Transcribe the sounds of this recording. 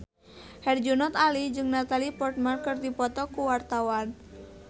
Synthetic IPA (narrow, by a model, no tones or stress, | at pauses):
hɛrd͡ʒunɔt̪alid͡ʒɨŋnat̪alipɔrt̪̚markɨrdipɔt̪ɔkuwart̪awan